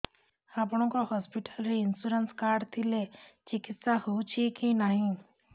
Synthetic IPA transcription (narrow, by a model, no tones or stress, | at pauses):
hapɽ̃õkoɦɔspiʈəlɾiɪnsuɾənskaːɾɖt̪ʰilet͡ʃikɪt̪sahot͡ʃʰikinaːɦĩ